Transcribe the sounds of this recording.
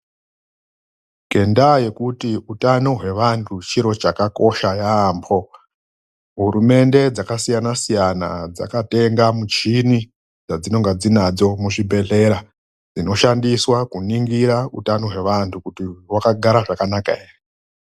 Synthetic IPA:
ɡ̥ʱe̞ndaje̞kutiutano̞ɦwe̞ʋantʰut͡ʃiɾo̞t͡ʃakako̞ʃajaːmbʰo̞ | ɦuɾume̞nde̞d͡zakasijanasijana̰d͡za̰kate̞ŋɡamut͡ʃini | d͡zad͡zino̞ŋɡad͡zinad͡zo̞muʐibʱe̞ɮe̞ɾa | d͡zino̞ʃandiswakuniŋɡiɾautano̞ɦwe̞ʋantʰukutiwakaɡʱaɾaʐakanaka̰ere

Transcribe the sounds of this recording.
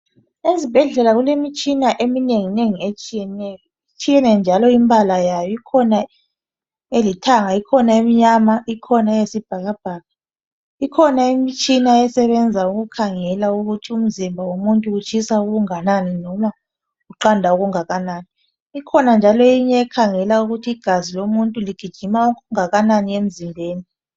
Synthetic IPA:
ezib̥ʱɛɮɛlaɣulemit͡ʃʼinaʔemineŋineŋiet͡ʃʼijɛnɛjɔ | it͡ʃʰʼijɛnɛnd͡ʒʱalɔimbʱalajajɔikʰɔna | elitʰaŋaikʰɔnaimiɲamaikʰɔnajesib̥ʱaɣab̥ʱaːɣa | ikʰɔnaimit͡ʃʼinaɛsɛβɛnd͡zʱauɣukʰaŋɛlauɣutʰium̩zimbʱawomuntʼuut͡ʃʰʼisauɣuŋananinɔma | ɣuǃandʱauɣuŋaɣanaːniː | kʰɔnand͡ʒʱalɔiɲɛːkʰaŋɛlauɣutʰiːɡ̥ʱazilomuntʼuliɡ̥ʱid̥ʒ̥ʱimaukuŋaɣananiem̩zimbʱeːni

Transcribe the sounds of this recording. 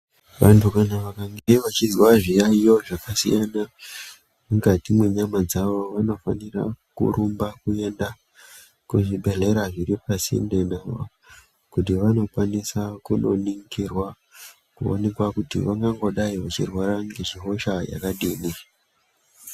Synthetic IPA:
ʋantukanaʋakaŋɡeʋat͡ʃizwaʐijaijo̞ʐakasḭjana | muŋɡatimwe̞ɲamad͡zaʋo̞ʋano̞fa̰nira̰kṵɾumbakue̞nda | kuʐiɓe̞ɮe̞ɾaʐiɾipasḭndenaʋa̰ | kutiʋano̞kwanisakuno̞̰niŋkirwa | kuo̰ne̞kwakutḭʋaŋɡaŋɡo̞ɗaiʋat͡ʃḭrwaɾaŋɡeʒiɦo̞ʃaja̰kaɗiːni

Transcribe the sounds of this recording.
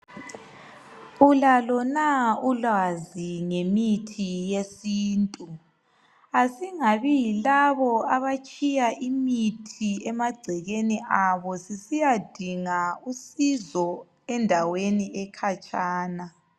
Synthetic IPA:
ulalɔnaulaziŋemitʰijesiːntʼu | asiŋaβijilaβɔaβat͡ʃʼijaʔimitʰiɛmaɡ͡ǀʱiɣeniʔaβɔsisijad̥ʱiŋausizɔ | ɛndʱaweniɛkʰat͡ʃʼaːna

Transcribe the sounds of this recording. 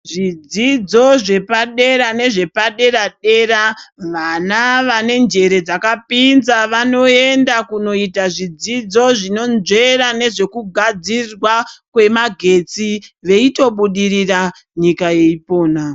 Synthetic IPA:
ʐid͡zid͡zo̞ʐe̞paɗe̞ɾane̞ʐe̞paɗe̞ɾaɗe̞ɾaʋanaʋane̞nd͡ʒe̞ɾe̞d͡zakapinzaʋano̞e̞ndakuno̞itaʐid͡zid͡zo̞ʐino̞nd͡ʒe̞ɾane̞ʐe̞kuɡʱad͡zirwakwe̞maɡʱe̞t͡siʋe̞ito̞ɓuɗiɾira | ɲikaje̞ipo̞ːna

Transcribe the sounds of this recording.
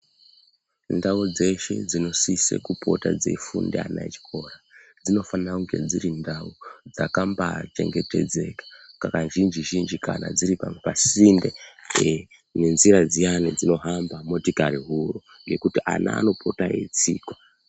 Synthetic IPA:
ndaud͡ze̞ʃe̞̰d͡zino̞sisḛkupo̞̰tad͡zḛfṵndea̰na̰t͡ʃi̥kʰo̞rad͡zino̞fanaŋɡe̞̰d͡ziɾindaud͡zakambat͡ʃe̞̰ŋɡe̞te̞̰d͡ze̞kḁkakanʒind͡ʒiʒind͡ʒikana̰d͡ziɾipampasinde | nenziɾad͡zianid͡zino̞ɦambamo̞tikaɾiɦuro | ŋɡe̞kutiʔa̰na̰ːno̞pʰo̞taḛt͡siːkwa

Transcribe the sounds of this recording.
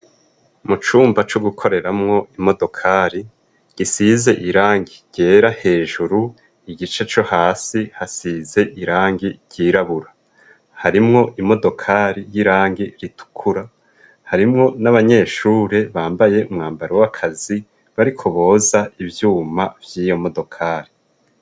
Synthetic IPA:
mut͡ʃuːmbat͡ʃuɡukʰo̞ɾe̞ɾamŋo̞imo̞do̞kʰaːɾi | ɡ̥isize̞ʔiɾaːŋɡiɟ̥e̞ːɾahe̞ːʒuɾu | iɡit͡ʃe̞t͡ʃo̞haːsihasiːze̞ʔiɾaːŋɡiɟ̥iːɾaβuɾa | haɾimŋo̞ʔimo̞do̞kʰaɾijiɾaːŋɡiɾitu̥kʰuɾa | haɾimŋo̞naβaɲe̞ːʃuːɾe̞βaːmbaje̞umŋaːmbaɾewakʰazi | βaɾikʰo̞βo̞ːzaivjuːmavjiːjo̞mo̞do̞kʰaːɾi

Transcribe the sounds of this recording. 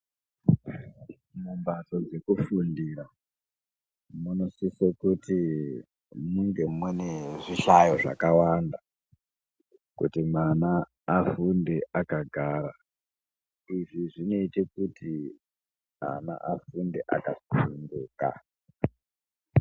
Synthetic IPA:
mumbato̞d͡ze̞kufundiɾa | muno̞sisekuti | muŋɡe̞mweneʐiɬajo̞ʐa̰kawanda | kṵtimana | afundeʔakaɡʱaːɾa | iʐiʐino̞itekutʰi | ma̰na̰ʔafunde̞ʔa̰kaunduːka̰

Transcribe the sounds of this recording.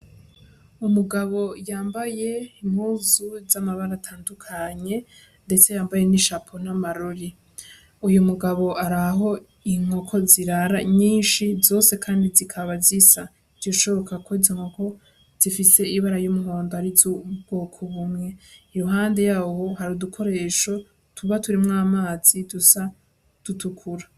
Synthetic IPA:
umuɡaβo̞jaːmbaje̞im̥huːzuzamaβaɾatʰaːndukʰaɲe̞ | ndet͡se̞jaːmbaje̞niʃapʰo̞n̥amaɾoɾi | ujumuɡaβo̞aɾaɦo̞ | iŋ̥o̞kʰo̞ziɾaɾaɲiːnʃizo̞ːse̞kʰaːndizikʰaβazisa | z̥oʃo̞βokakʰo̞izoŋo̞ko̞ | z̥ifise̞iβaɾajumuho̞ːndoaɾizubɡo̞ːkʰoβumŋe̞iɾuɦaːnde̞jaːwo̞haɾudukʰo̞ɾe̞ːʃo̞ | tʰuβatuɾimŋaːmaːz̥idusa | d̥utukʰuɾa

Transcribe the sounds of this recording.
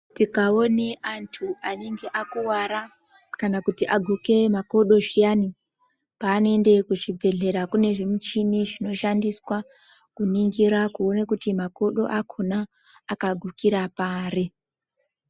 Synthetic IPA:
tikao̞neʔantʰuane̞ŋɡe̞ʔakuwaɾa | kanakutiʔaɡʱuke̞mako̞ɗo̞ʐijani | paːnoe̞nde̞kuʐibʱe̞ɮe̞ɾakune̞ʐimut͡ʃiniʐino̞ʃandiswa | kuniŋɡiɾakuonekutimako̞ɗo̞̰ʔakʰonaː | kaɡʱukiɾapaːre

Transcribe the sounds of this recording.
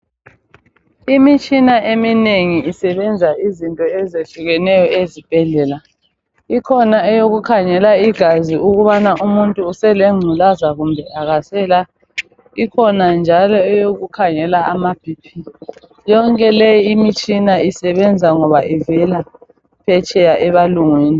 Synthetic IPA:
imit͡ʃʼinaʔemineŋiisɛβɛnd͡zʱaizintʼɔɛzeɬuɣɛnɛjɔezib̥ʱɛɮɛla | ikʰɔnaɛjoɣukʰaŋɛlaiɡ̥ʱaziʔuɣuβanaʔumuntʼuːsɛleŋ͡ǀʱulazaɣumbʱɛaɣasɛla | ikʰɔnand͡ʒʱalɔɛjoɣukʰaŋɛlaamab̥ʱipʰi | jɔŋkʼɛlejiːmit͡ʃʼinaisɛβɛnd͡zʱaŋɔβaʔivɛla | pʰɛt͡ʃʼɛjaʔɛβaluŋweːni

